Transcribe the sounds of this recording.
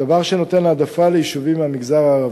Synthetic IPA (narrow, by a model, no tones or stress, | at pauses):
avaʁʃeno̞t̪e̞nːd̪afalejiʃuvimamiɡzaʁaːʁa